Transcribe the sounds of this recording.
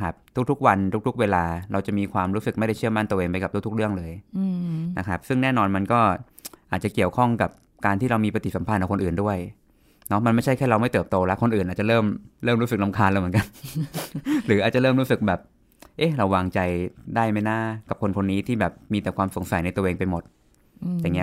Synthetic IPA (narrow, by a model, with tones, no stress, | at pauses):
kʰa˦˥p̚t̪ʰu˥k̚t̪ʰu˦˥k̚wa˧nt̪ʰu˦˥k̚t̪u˦˥k̚weː˧laː˧ɾa˧wt͡ɕa˨˩miː˧kʰwaː˧mɾuː˦˥sɯ˨˩kma˥˩jda˥˩jt͡ɕʰɯ˥˩əma˥˩nt̪ʔeː˧ŋp̬a˧jka˨˩p̚t̪ʰu˥˩t̪u˦˥kɾɯ˥˩əŋlɤː˧j | na˦˥kʰɾa˦˥p̚sɯ˥˩ŋnɛː˥˩nɔː˧nma˧nkɔː˥˩ | ʔaː˨˩t͡ɕa˨˩ki˨˩əwkʰɔ˥˩ŋka˨˩p̚ | kaː˧nt̪ʰiː˥˩ɾa˧wmiː˧pa˧t̪i˨˩sa˩˦pʰa˧˩nʔa˧˩kʰnʔɯː˨˩ndu˥˩əj | nɔ˦˥ma˧nma˥˩jt͡ɕʰa˥˩jkʰɛː˥˩ɾa˧wma˥˩jt̪ɤː˨˩p̚t̪oː˧lɛ˦˥ʔkʰo˧nʔɯː˨nʔaː˨˩t̪̚t͡ɕa˨˩ɾɤː˥˩mɾɤː˥˩mɾuː˦˥sɯ˨k̚la˧mkʰaː˧nlːm˩˦nka˧n | ɾɯː˩˦ʔaː˨˩t͡ɕa˨˩ɾɤː˥˩mɾu˦˥sɯ˨˩k̚bɛː˨˩p̚ | ʔe˦˥˩ɾa˧wːaː˧ŋt͡ɕa˧jdaː˥˩jma˥˩jnaː˥˩ka˨˩p̚kʰo˧nkʰo˧nːiː˦˥t̪ʰiː˥˩bɛː˨˩p̚miː˧t̪ɛː˨˩kwaː˧mso˨˩˦ŋsa˨˩˦jna˧jt̪u˧ʔeː˧ŋpa˧jmo˨˩t̪̚ | ja˨˩ŋi˦˥